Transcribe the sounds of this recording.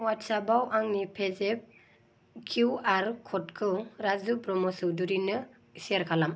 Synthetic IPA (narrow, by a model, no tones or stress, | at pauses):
watsabawʔaŋnipʰezep̚ | kʰuwaɾkʰɔtkʰɯɾazubɾɔmɔsɯwduɾinɯ | isiaɾkʰalam